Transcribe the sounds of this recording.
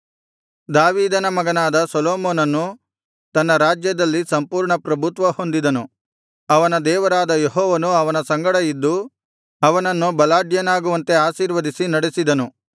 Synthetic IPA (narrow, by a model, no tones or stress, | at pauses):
d̪aːʋiːd̪ɐnɐmɐɡɐnaːd̪ɐsɐloːmoːnɐnːu | t̪ɐnːɐɾaːd͡ʒjɐd̪ɐlːisɐmpuːɾɳɐpɾɐbʱut̪ʋɐho̞nd̪id̪ɐnu | ɐʋɐnɐd̪ɛːʋɐɾaːd̪ɐjeɦɔːʋɐnuɐʋɐnɐsɐŋɡɐɽɐjid̪ːu | ɐʋɐnɐnːubɐlaːɖjɐnaːɡuʋɐnt̪e̞aːʃiːɾʋɐd̪isinɐɽesid̪ɐnu